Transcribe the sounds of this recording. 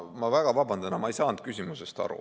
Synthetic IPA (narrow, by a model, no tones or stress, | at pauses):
mɑvæɡ̥ɑvɑbɑnd̪ɑnɑmɑejsɑːnt̪̚kysʲimusest̪ɑ̰ɾṵ